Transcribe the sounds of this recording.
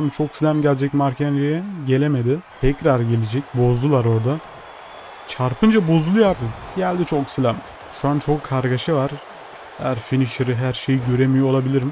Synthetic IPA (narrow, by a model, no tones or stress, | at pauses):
amt͡ʃʰo̞ksilʲæmɟælʲd͡ʒɛcmaɾcʰenɾejɛɟe̞lʲe̞me̞d̪ɪt̪ʰɛcɾaɾɟe̞lʲed͡ʒɛc̚bo̞zd̪ˠulˠaɾo̞ɾd̪a | t͡ʃʰaɾpʰɯnd͡ʒabo̞zulˠujapmɯmɟælʲd̪it͡ʃʰo̞ksilʲæm | ʃuant͡ʃʰo̞kʰːaɾɡaʃɯvaɾ̥ | hæɾfiniʃɯɾɯɦæɾʃe̞jiɟøɾemijoolˠabilʲiɾim